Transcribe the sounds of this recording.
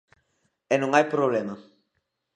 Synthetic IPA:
ɛnuŋajpɾoblɛma

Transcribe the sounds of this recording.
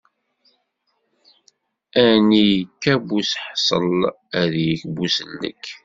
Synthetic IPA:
ænijkːæbusħsˤə̰l | æðjəkbusəlːə̰kː

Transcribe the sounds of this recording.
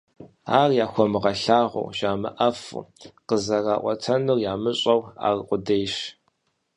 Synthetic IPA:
aːrjaːxʷɔmɨʁɐɬaːʁʷʊ̰wʒaːmɨ̰ʔɐfṵqəzɐraːʔʷʼɔ̰tʰɐnʊrjaːmɨɕʼɐwa̰ːrqʷʊdeːjɕ

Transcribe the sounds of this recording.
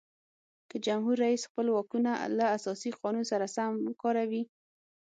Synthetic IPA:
kəd͡ʒamɦuɾːaisxpəlwɑkunalaːsɑsiqɑnunsaɾasamkɑɾawi

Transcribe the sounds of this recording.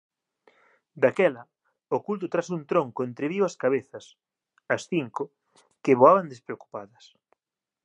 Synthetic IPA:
d̪akɛlɐ | okult̪̬ot̪ɾasunt̪ɾõŋkoent̪ɾeβiwɐskaβeθɐs | ɐsθiŋkʊ | keβoaβand̪espɾeoku̥paðɐs

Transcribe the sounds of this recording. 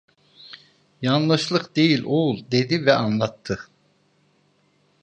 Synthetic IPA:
jɑnlˠɯʃlˠɯqd̪e̞jilʲolˠd̪e̞d̪ivɛʔɑnlˠat̪ʰːɯ

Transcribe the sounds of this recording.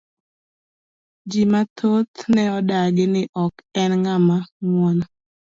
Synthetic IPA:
d͡ʒimat̪ʰot̪nɛɔdaɡɪnɪʔɔkɛnŋamaŋwon

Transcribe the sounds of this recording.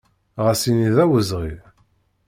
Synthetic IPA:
ʁæsiniðæwəzʁið

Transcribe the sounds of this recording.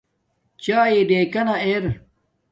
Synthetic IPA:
t͡ɕaːjiɖeːkɐnɐeːɾ

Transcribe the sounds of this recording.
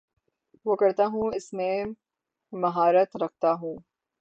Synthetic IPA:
ʋoːkɐɾt̪aɦũɪsmẽ | mɐɦaːɾət̪ɾɐk̚ʰt̪aɦũː

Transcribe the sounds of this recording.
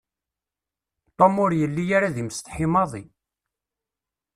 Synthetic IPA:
t̪ˤːomʊɾjəlːijaɾaðimst̪ħimɑðˤi

